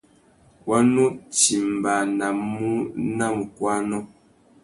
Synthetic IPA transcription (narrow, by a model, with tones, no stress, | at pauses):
wa˦nu˦ti˨m̩˨ba˨na˨mu˦na˦˨m˨kwa˦nɔ˦